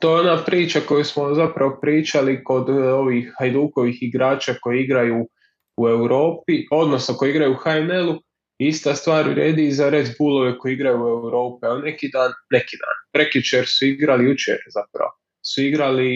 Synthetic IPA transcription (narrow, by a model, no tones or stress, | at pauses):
t̪o̞jeonaːpɾiːt͡ʃako̞jusmo̞zapɾaʋopɾiːt͡ʃaliko̞d̪o̞ʋiːxhajd̪uːko̞ʋiːxiɡɾaːt͡ʃaːko̞jeiɡɾajuː | ue̞wɾo̞ːp̚io̞d̪no̞snako̞jeiɡɾajuuxaenelˠu | ist̪ast̪ʋaːɾ̰ɾeːd̪izaɾed̪buːlˠo̞ʋe̞ko̞jiɡɾajuːe̞wɾo̞ːpialne̞kiːd̪aːnːe̞kiːd̪a̰ːnpɾekit͡ʃe̞ɾsuiɡɾalijut͡ʃḛɾz̥apɾa̰ʋo | suiɡɾali